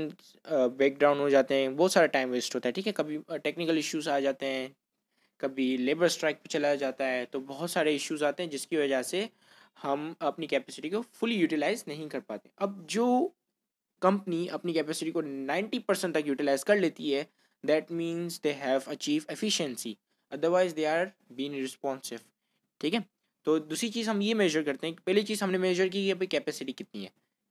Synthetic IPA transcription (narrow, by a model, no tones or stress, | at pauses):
beːk̚ɖɾãːʊ̃ɳɖɦod͡ʒaːt̪eɦɛ̃bɔːt̪saːɾaʈãːɪ̃mʋesʈɦoːt̪aɦɛʈʰiːkɛkɐbʱiʈeːknɪkəlɪʃjuːzaːd͡ʒaːt̪eɦɛ̃ː | kɐbʱileːbəɾsʈɾaɪk̚pet͡ʃɐlad͡ʒaːt̪aɦɛt̪obɔɦʊt̪saːɾeɪʃjuzaːt̪ẽɦɛ̃d͡ʒɪskiʋɐd͡ʒəse | hɐmɐpnikɛːpɛsɪʈikofʊlijuːʈɪlaːɪznɐɦĩkɐɾpaːt̪ẽɦɛ̃ʔɐb̚d͡ʒoː | kɐ̃mpəniɐpnikɛːpɛːsɪʈikonãɪ̃ɳʈipɐɾsə̃ɳʈt̪ɐkjuːʈɪlaːɪzkɐɾleːt̪iɦɛ | d̪ɛʈmĩːnzd̪eːɦɛʋɐt͡ʃiːʋɛfɪʃə̃nsi | ɐd̪əɾʋaːɪzd̪eːaːɾ | biːɪ̃ŋɾɪspɔ̃ːnsɪʋ | ʈʰiːkɛ̃ | t̪oːd̪uːsɾit͡ʃiːzɦɐ̃mjemɛːʒəɾkɐɾt̪ẽɦɛ̃ki̥pɛːɦlit͡ʃiːzɦɐmnemeːʒəɾk̬ikiɐp̬nikɛːpɛsɪʈikɪt̪niɦɛ̰ː